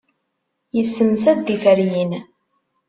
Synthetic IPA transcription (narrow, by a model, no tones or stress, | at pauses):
jəsːəmsæd̪ifæɾjin